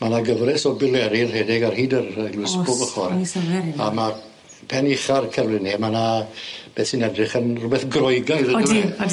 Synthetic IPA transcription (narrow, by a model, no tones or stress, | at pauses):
manaɡəvrɛsɔbɪlˠɛɾɪlhɛdɪɡarhiːdərəɡlˠʊɨsbɔvəχɔrsɛama | pʰɛnɪχarkʰɛvlɪnimanab̥ɛθsinɛdrɪχənrʊbɛθɡrɔjɡajðə